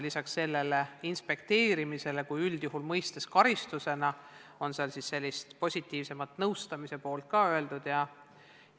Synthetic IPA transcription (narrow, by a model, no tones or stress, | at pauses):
lisɑksːe̞lːe̞leinspe̞kt̪e̞ːɾimise̞le̞kujyld̪̥juɦulmɤjst̪eskɑɾist̪use̞nɑo̞nseɑlsisːe̞lʲːist̪po̞sʲit̪ːˑiːvse̞mɑt̪ːˑnɤwst̪ɑmise̞po̞ːlt̪̚kɑːøe̞ld̪̥ud̪̥jɑ